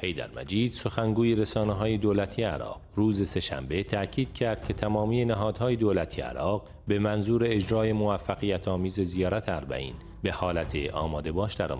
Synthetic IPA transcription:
he̞jd̪æ̰ɾmæ̰d͡ʒiːd̪̥so̞xæŋɡuːjeɾe̞sɒːneɦɒːje̞d̪oːlæt̪ʰiːjeæ̰ɾɒ̰ːqruːze̞se̞ʃæ̰mbe̞t̪ʰæcʰiːd̪̥cʰæɾd̪̥̚kcʰe̞t̪ʰæmɒːmiːje̞næɦɒːd̪hɒːje̞d̪oːlæt̪ʰijḛæ̰ɾɒːɣ | be̞mænzuːɾe̞ːd͡ʒɾɒːje̞movæfːæɣijæt̪ʰɒːmiːze̞zijɒːɾæt̪ʰeæɾbæ̰ʔḭːn | be̞hɒːlæt̪ʰeʔɒ̰ːmɒːd̪e̞bɒːʃd̪æɾɒ̰ːm

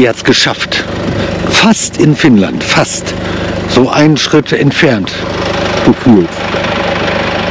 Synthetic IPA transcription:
ihatsɡ̥əʃaft | fastɪnfɪnla̰ntfastz̥oːʔa̰ɪnənʃʁ̥ɪtʰɛ̰ntfɛɐntɡ̥əfyːlt

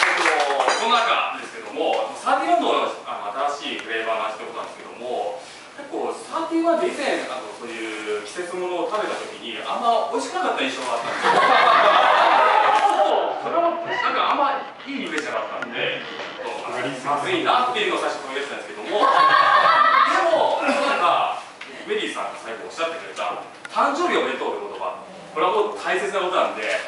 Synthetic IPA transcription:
koosonːonaka̰d̪e̞sɨ̥ke̞d̪o̞mo̞anosãkʲĩnanoano̞at̪aɾaɕiːkɯ̟ɾe̞ːbaːnãɕi̥t̪ekot̪ːã̰nd̪esɨke̞d̪o̞̰mo̞ | ke̞kːo̞ːsat̪ʲĩɰ̃βad̪eizẽɰ̃ano̞so̞ːjɯ̟ːkʲi̥se̞t͡sɨmo̞noːt̪aβe̞t̪at̪o̞kʲiɲ̟iãmːao̞iɕi̥kɯnakat̪ːaĩɰ̃ɕo̞ɡaat̪ːãnd̪esjo | osoɾeβanãŋkaamːai | iːɲʲip̟eɕinakat̪ːã̰nod̪e̞ | ãt̪oʔaaɾʲiasinat̪ːe̞jiɯ̟noasaiɕo̞t̪omkʲete̥tand̪sɨ̥ke̞d̪omo̞ | d̪emoonãŋka | me̞ɾʲiːsãŋɡasaiɡoːɕːat̪ːekɯ̟ɾeba̰ | t̪ʰãɲ̟d͡ʑo̞ːbʲioe̞t̪oːɾɯ̟ko̞t̪o̞ɡa̰ | koɾe̞amot̪ʰaise̞t͡sɨnako̞t̪onãnd̪e̞

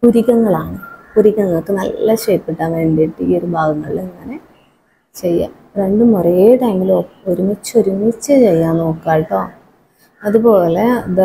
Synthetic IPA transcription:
kuɾiɣɐŋːɐɭaːɳɨkuɾiɣɐŋːɐɭkːɨnɐ̰lːɐɕeːpːiʈːaːnʋeːɳɖiʈːɨiːoɾubʱaːɡɐŋːɐɭileŋːɐne̞ | t͡ɕe̞jːa̰ | re̞ɳɖɨmurɐːʈɐjmilopːoɾumit͡ɕːoɾumit͡ɕːɨt͡ɕe̞jːaːnːoːkːaːjiʈːo̞ː | ɐðupo̞ːle̞d

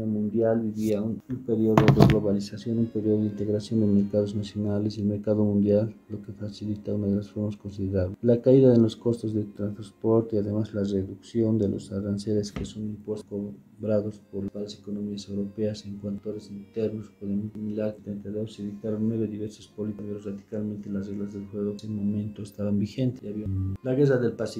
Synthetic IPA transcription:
amũnd̪jalbiβiaunumpe̞ɾjo̞ðoðeɣlo̞βalisasjo̞numpeɾjo̞ðoðint̪e̞ɣɾasjo̞nd̪eme̞ɾkað̞o̞znasjo̞nalesilmeɾkaðo̞mũnd̪jalːo̞kefasilit̪aunaðelasfoɾmaskonsiðeɾaβlelakaiðaðelo̞sko̞st̪ozðet̪ɾanspo̞ɾt̪eiaðe̞mazlareðuksjo̞nd̪e̞lʔo̰saɾanse̞ɾeskesonimpwesko | bɾaðo̞spoɾlapaɾesekonomiasewɾope̞aseŋkwant̪oɾesint̪eɾnospweðemmilaɾt̪ɾent̪ajðoseβit̪aɾonːwe̞βeðiβeɾsospolit̪aβjoraðikalmẽnt̪elasreɣlazðelxweɣoemõmẽnt̪oest̪aβambixe̞nt̪eaβialaɣeraðelpasi

